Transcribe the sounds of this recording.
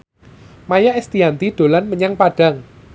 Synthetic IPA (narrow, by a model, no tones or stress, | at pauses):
majaʔest̪iɦant̪id̥o̤lanməɲaŋpaɖ̥a̤ŋ